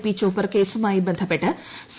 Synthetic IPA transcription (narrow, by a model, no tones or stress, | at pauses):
piːt͡ɕːoːpːɐrkeːsumaːjibɐnd̪ʱɐpːe̞ʈːɨ | s